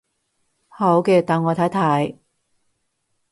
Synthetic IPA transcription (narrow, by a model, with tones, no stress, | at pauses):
ho˨˥wkɛː˧t̪aː˨nŋɔː˨˧t̪ʰaː˨˥t̪ʰaː˨˥j